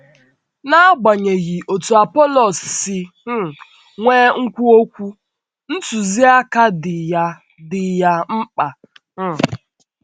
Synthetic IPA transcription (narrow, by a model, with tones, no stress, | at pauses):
na˦ɡ͡ba˨ɲe˨ɣi˨ʔo˨tu˨a˨pɔ˦lɔ˨ssɪ˨˦˨ | ŋʷeː˦ŋ̩˦kʷu˦o˦kʷu˦ | n̩˦tu˨zi˦a˦ka˦dɪ˨ja˦ | dɪ˨ja˦m̩˦k͡pa˨˦